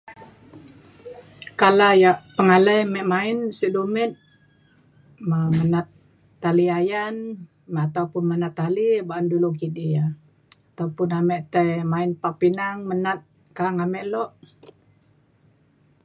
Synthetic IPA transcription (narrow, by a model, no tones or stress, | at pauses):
kalajaʔpəŋaləjmɛʔmaɪnsiʔdumɛt̪̚ | mamənat̪ː | aliajan | mat̪aupʊnmənat̪ːalibaʔandulukidija | at̪aupʊnamɛʔt̪ajmaɪnpapinaŋmənat̪̚ | kaaŋamɛʔlɔʔ